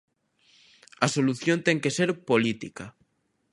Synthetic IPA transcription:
ɐsoluθjõnt̪ɛŋkeseɾpolit̪ika

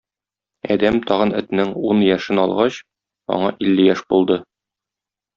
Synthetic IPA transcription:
ɒ̰d̪æmt̪ʰɒʁɤ̆nɘ̆t̪nɘŋunjæʃɘnɒlˠʁɑɕ | ɒ̰ɴɑʔilːɘjæʃbulˠd̪ɤ

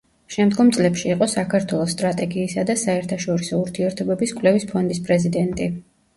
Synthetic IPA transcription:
ʃɛmd̪ɡɔmt̪sʼlɛpʃiːqʼɔsakʰaɾt̪ʰwɛlˠɔsːt̪ʼɾat̪ʼɛɡiːsad̪asaɛɾt̪ʰaʃɔɾisɔuɾt̪ʰiɛɾt̪ʰɔbɛbiskʼwlɛvispʰɔnd̪ispʼɾɛzid̪ɛnt̪ʼi

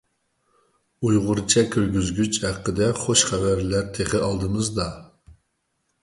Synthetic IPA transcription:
ujʁʊɾt͡ʃʰɛkʲʰøɾɡʲyzɡʲyt͡ʃhæqːəd̪ɛχoʃχævæɾlæɾt̪ʰeχɪɑlˠd̪ɨmɨzd̪ɑ

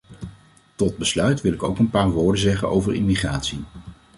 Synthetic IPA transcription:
tɔd̚bəslœɥtʋɪlɪkowkənpaːɹʋoːɹdənzɛχə̰nʔo̰wvəɹɪmiχraːtsi

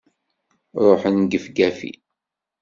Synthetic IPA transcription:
ɾˤoħənɡəfɡæfḭ

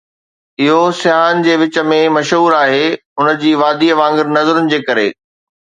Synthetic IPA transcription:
ɪɦosɪaːnd͡ʑeːʋɪt͡ɕə̆mẽmɐʃɦuːɾaːɦeːʊnə̆d͡ʑiːʋaːd̪iʋãːŋɡɪɾnɐzəɾʊnɪ̆d͡ʑeːkɐɾḛː

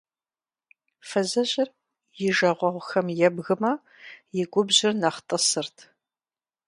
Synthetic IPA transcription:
fɐzɐɕʼɪr | jɪʒɐʁʷɔʁʷxɐmjɛbɣɨmɐ | jɪɡʷʊbʑɪrnɐχtʼɐsɨrtʰ

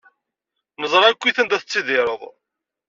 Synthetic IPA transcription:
nəzˤɾˤækʷːiθənd̪æθət͡sːiðɪɾˤəðˤ

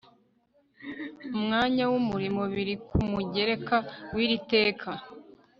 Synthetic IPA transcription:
umŋaːɲawumuɾimoβiɾikʰumuɟe̞ɾe̞kawiːɾite̞ːkʰa

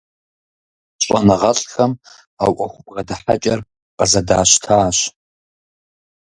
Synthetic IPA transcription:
ɕʷʼɐnɐʁɐɬʼxɐm | awʔʷʼɐxʷʊpʼrɐdɨħa̰t͡ʃʼɐr | qʼɐzɐdaːʃtʰaːɕ

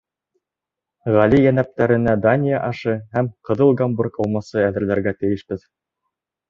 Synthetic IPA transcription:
ʁælijænæp̚t̪æɾɘ̆næd̪anʲɪjaʔɑʃɤhæmqɤ̆ðɤlˠɡamburkɑlˠmɑsɤæðɘ̆ɾlæɾɡæt̪ɘ̆jɘ̆ʃbɘð

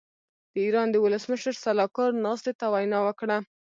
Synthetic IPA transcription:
d̪̥əiɾɑnd̪əwʊləsməʃəɾsalɑkɑɾnɑst̪et̪awajnɑwəkɽa

